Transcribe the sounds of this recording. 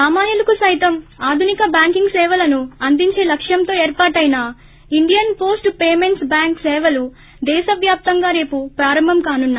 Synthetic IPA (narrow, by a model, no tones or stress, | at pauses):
saːmaːnjulɐkusɐjit̪ɐmaːd̪ʱunikɐbjaːŋkiŋɡsɛːʋɐlɐnuɐnd̪iɲt͡ʃe̞ːlɐkʂjɐmt̪o̞ːeːɾpaːʈɐjina | iɳɖijɐnpo̞ːsʈpeːme̞ɳʈsbaːŋksɛːʋɐlu | d̪ɛːʃɐʋjaːp̚t̪ɐŋɡaːɾe̞ːpupɾaːɾɐmbʱɐmkaːnunːa